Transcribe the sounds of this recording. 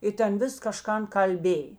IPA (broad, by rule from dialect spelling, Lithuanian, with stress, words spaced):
ˈɪ tʲɛn ˈʋʲɪs kɐˈʃkɐn kɐlʲˈbʲeːj